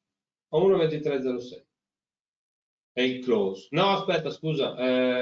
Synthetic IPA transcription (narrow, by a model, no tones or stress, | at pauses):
aunovɛnt̪it̪ɾɛd̪zːɛɾosɛj | ɛikloːsnɔaspɛt̪ːaskuːzaʔɛ